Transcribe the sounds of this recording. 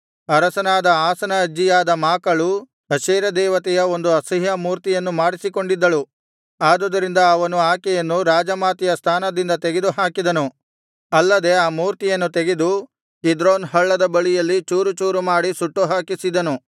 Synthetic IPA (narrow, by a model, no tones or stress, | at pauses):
ɐɾɐsɐnaːd̪ɐaːsɐnɐːd͡ʒːijaːd̪ɐmaːkɐɭu | ɐʃeːɾɐd̪ɛːʋɐt̪ɛjɐo̞nd̪uɐsɐɦjɐmuːɾt̪ijɐnːumaːɽisiko̞ɳɖid̪ːɐɭu | aːd̪ud̪ɐɾind̪ɐːʋɐnuaːkɛjɐnːuɾaːd͡ʒɐmaːt̪ijɐst̪ʰaːnɐd̪ind̪ɐt̪eɡed̪uɦaːkid̪ɐnu | ɐlːɐd̪e̞aːmuːɾt̪ijɐnːut̪eɡed̪u | kid̪ɾoːnɦɐɭːɐd̪ɐbɐɭijɐlːit͡ʃuːɾut͡ʃuːɾumaːɽisuʈːuɦaːkisid̪ɐnu